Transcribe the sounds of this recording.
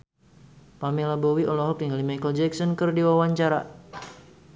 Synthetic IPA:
pamelabɔwiʔɔlɔɦɔpjaŋalimajkəld͡ʒɛksɔnkɨrdiwawaɲt͡ʃaɾa̰

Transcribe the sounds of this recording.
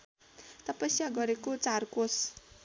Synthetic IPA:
t̪ʌpʌsjaɡʌɾekot͡sarkos

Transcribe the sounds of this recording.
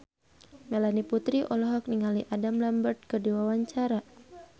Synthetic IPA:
melaniput̪ɾiʔɔlɔɦɔk̚niŋaliʔadamlambərt̪̚kɨrdiwawaɲt͡ʃaɾa

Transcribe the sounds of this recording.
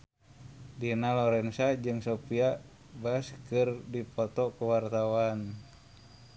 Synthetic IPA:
dinalɔɾɛnsad͡ʒɨŋsopia | baskɨrdipɔt̪ɔkuwart̪awan

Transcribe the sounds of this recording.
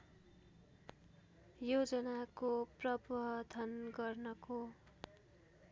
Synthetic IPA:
jod͡zʌnakoprʌbʌd̪ʱʌnɡʌrnʌko

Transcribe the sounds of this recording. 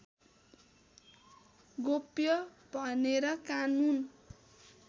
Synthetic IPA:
ɡopjʌ | b̥ʱʌneɾʌkanun

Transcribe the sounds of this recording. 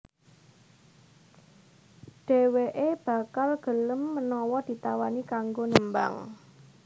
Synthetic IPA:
ɖ̥ɛ̤weʔeb̥a̤kalɡ̥ə̤ləmːənɔwɔd̪̥i̤t̪awanikaŋɡonəmba̰ŋ

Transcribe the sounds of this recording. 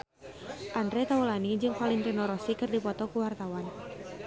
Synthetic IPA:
ʔandɾɛt̪aulanid͡ʒɨŋpalinɾinɔɾɔsikɨrdipɔt̪ɔkuwart̪awan

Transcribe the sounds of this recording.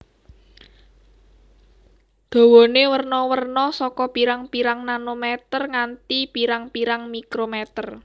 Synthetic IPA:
d̪̥a̤wɔnewərnɔwərnɔsɔkɔpiɾaŋpiɾaŋnanomɛt̪ərŋant̪ipiɾaŋpiɾaŋmikɾomɛt̪ər

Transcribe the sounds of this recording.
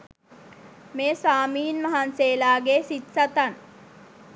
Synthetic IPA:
meːsaːmiːnmaɦanseːlaːɡesit̪sat̪an

